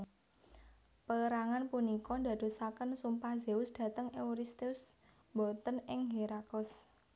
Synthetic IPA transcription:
pəəɾaŋanpunikɔnda̤d̪̥o̤sakənsumpahzeʊsd̪̥ä̤t̪əŋeuɾist̪eʊs | mbɔt̪ənɪŋɦeɾakəs

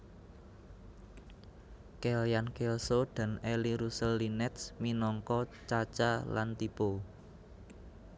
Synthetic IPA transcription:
keljankeosod̪̥a̤neliɾusəlːinɛt̪sminɔŋkɔt͡ʃat͡ʃala̰nt̪ipo

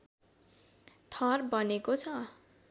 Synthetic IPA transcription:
t̪ʰʌrbʌnekot͡sʰʌ

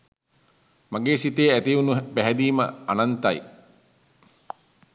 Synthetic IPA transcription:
mãŋɡeːsit̪eːæt̪iunupæɦɛd̪iːmə̰a̰nant̪aj

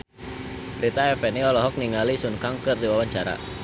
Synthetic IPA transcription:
ɾit̪aɛfɛniɔlɔɦɔk̚niŋalisunkaŋkɨrdiwawaɲt͡ʃaɾa̰

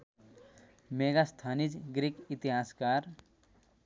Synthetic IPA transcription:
meɡast̪ʰanid͡ʒɡɾikit̪iɦaskaɾ

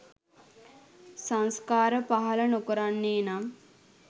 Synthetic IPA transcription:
saŋskaːɾəpaɦɐlənokoɾanːeːnam

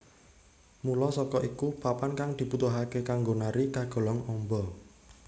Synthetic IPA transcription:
mulɔsɔkɔʔikupapankaŋd̪̥i̤but̪uɦakekaŋɡonaɾikaɡ̥ɔ̤lɔŋɔmbɔ

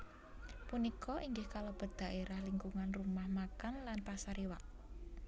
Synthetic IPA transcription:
punikɔʔiŋɡɪhkalob̥ə̤d̪̥a̤ʔeɾahliŋkuŋanrumahmakanlanpasaɾiwaʔ

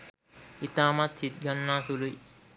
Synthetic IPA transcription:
it̪aːmat̪sit̪̚ɡɐnːaːsuluj

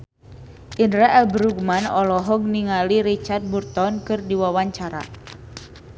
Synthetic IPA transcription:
ʔindɾɛʔɛlbɾuɡ̚manɔlɔɦɔŋ̚niŋaliɾit͡ʃard̪̚burt̪ɔnkɨrdiwawaɲt͡ʃaɾa̰

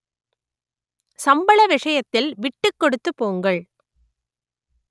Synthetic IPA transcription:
sɐmbɐɭɐʋɪʂɐjɐt̪ːɪlʋɪʈːɯkːɔɽɯt̪ːɯpːoːŋɡɐɭ

